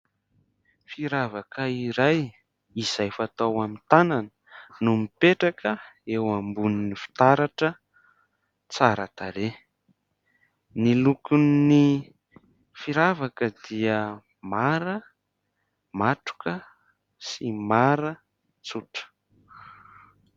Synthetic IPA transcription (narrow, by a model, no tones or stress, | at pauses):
fiɾavakəiɾaj | iz̥ajfat̪awamint̪ananənumipeʈ͡ʂakʰəewambuninifi̥t̪aɾaʈ͡ʂə | t͡saɾat̪aɾe | nilukuni | fiɾavakəd̪iə | maɾə | maʈ͡ʂu̥kə | simaɾə | t͡suʈ͡ʂə̥